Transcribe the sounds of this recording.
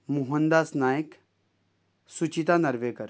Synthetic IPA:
muɦənd̪aːsnaːjək | sut͡ɕit̪anɐɾʋekəɾ

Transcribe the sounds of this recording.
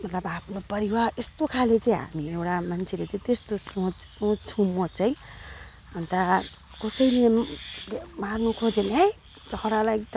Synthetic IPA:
mʌt̪lʌbapʰnopʌɾiwaɾest̪okʰalet͡sʌĩɦa̰miewʈamant͡sʰelet͡sʌĩt̪est̪osõt͡ssõt͡sʰumot͡sʌj̃ | ʌnt̪a | kʌsʌjle | marnukʰod͡zenej | d͡zʌɦɾalajt̪ʌ

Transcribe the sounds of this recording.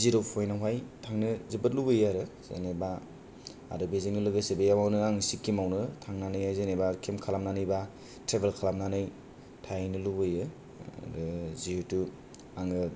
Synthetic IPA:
ziɾɯwpʰojnawɦajtʰaŋnɯzɯbɯt̚lubɯjaɾɯz̥ḛneba̰ː | dɯbezeŋnɯlɯɡɯsebejawawnɯaŋsikːimawnɯtʰaŋnanɯjajzenebakʰemkʰalamnanɯjba | tɾebelkʰalamnanɯj | tʰajnɯlubɯjɯ̰ | ɾɯzihɯtu | aŋɯ

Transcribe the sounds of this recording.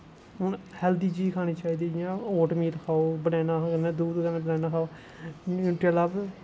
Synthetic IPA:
ʊnhɛːld̪iːd͡ʒiːkʰaːñiːt͡ʃaːiːd̪iːd͡ʒãːoːʈmiːt̪kʰaːoːbənɛːnaːkəneːd̪uːd̪kəneːbənɛːnaːkʰaːoː | unʈaːlaːb

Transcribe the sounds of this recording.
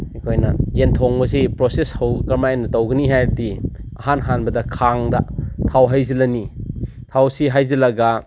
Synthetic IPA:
ikʰojnɐjentʰoŋbɐzipɾoseshɐwkɐɾmajenːɐtɐwɡɐniɦajɾdiɐ̰ɦanɦanbɐdɐkʰaŋdɐtʰawɦajzilɐni | tʰawsiɦajzilɐɡɐ

